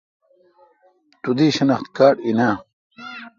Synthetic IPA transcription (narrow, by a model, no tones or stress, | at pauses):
t̪ud̪iːɕɐnɐχt̪kaːʈinaː